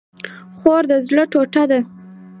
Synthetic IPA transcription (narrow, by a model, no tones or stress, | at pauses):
χoɾd̪əzləʈoʈad̪a